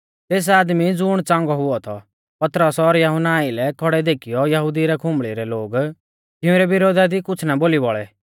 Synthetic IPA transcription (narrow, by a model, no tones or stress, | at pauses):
t̪eːs̬aːd̪mid͡zʊɽ̃t͡sãːŋɡɔɦʊɔt̪ʰɔ | pɐt̪ɾəsɔɾjɐɦʊnaːilɛkʰɔɽɛd̪eːkʰijɔjɐɦud̪iɾɛkʰʊ̃mɭiɾɛloːɡ | t̪ɪʊ̃ɾɛbɪɾoːd̪ad̪ikʊt͡sʰnaboːlibɔɭɛ̰